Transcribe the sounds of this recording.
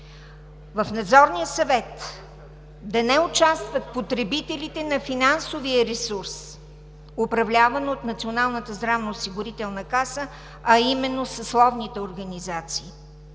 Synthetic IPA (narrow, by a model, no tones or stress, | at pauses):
vəfnɐd̪zɔɾnijəsɐvɛt̪ | d̪ɐnɛʊt͡ʃast̪vət̪pot̪ɾɛbit̪ɛlit̪ɛnɐfinansovijəɾɛsuɾs | opɾɐvlʲavənot̪nɐt̪sionalˠnət̪əzd̪ɾavnoːsiɡʊɾit̪ɛlˠnəkasə | ɐimɛnːosəslˠɔvnit̪ɛoɾɡɐnizat̪siː